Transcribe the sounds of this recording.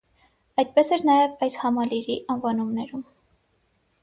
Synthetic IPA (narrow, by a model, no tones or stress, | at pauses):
ɑjd̪̚pɛsɛɾnɑjɛvɑjshɑmɑliɾiʔɑnvɑnumnɛɾum